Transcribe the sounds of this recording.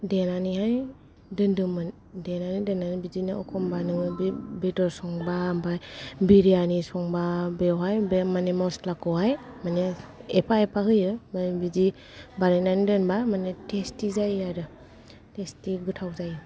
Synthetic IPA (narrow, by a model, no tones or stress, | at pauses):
denaniɦaj | dɯndɯmɯn | denanidenanibid͡ʒiniɔ̰kʰɔmbanɯŋɯbidɔɾsɔŋbabajbiɾianisɔŋbabewɦajbmanemɔslakɔwɦajmaneepʰaepʰaɦɯjɯmanbizi | baɾenanidɯnbamanetʰestizajaɾɯ | testiɡɯtʰawzajɯ